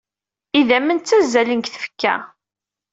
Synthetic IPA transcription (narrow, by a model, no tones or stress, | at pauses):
iðæmənt͡sːæzːælənkθə̥fə̥kːæ̰